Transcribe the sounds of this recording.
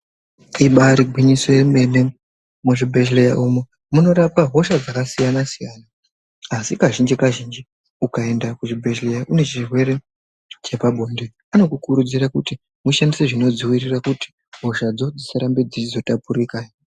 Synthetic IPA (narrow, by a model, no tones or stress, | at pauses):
iɓaɾiɡʱwiɲiseeme̞ne̞ | muʐibʱe̞ʃlejaʔumu | muno̞ɾapaɦo̞ʃad͡zakasijanasijaːnaː | sikaʒind͡ʒikaʒind͡ʒi | ukae̞ndakuʐibʱe̞ʃlejaʔune̞t͡ʃirwe̞ɾe̞ | t͡ʃe̞paɓʱo̞nde | ano̞kukuɾud͡zirakuti | muʃandise̞ʐino̞d͡ziwirirakuti̥ | ɦo̞ʃad͡zo̞d͡zisaɾambed͡zit͡ʃizo̞tapuɾikajo